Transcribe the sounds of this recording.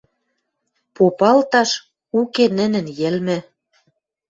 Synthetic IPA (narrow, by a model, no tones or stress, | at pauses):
popɑlt̪ɑʃ | ukenə̆nɘ̆njĕlmɘ̆